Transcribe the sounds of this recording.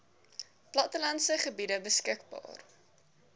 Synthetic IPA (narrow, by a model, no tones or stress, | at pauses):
plɐtəlɐnsəχəbidəbəskəkbɑ̰ːr